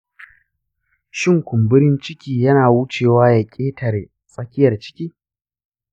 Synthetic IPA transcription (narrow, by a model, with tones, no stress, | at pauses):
ʃɪ˦ŋkʷʊ˨mbʊ˦ɾɪ˦nt͡ʃɪ˦kʲiː˨jɐ˦naː˨wʊ˦t͡ʃeː˨waː˦jɐ˨kʲʼeː˦tʰɐ˨r | sʼɐ˦kʲɪ˦jɐ˨rt͡ʃɪ̥˦kʲiː˦